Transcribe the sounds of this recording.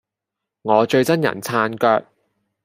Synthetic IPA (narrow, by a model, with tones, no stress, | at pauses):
ŋɔː˨˧t͡ʃɵ˧ɥt͡sɐ˥njɐ̰˨˩nt͡sʰaː˧nkœː˧k̚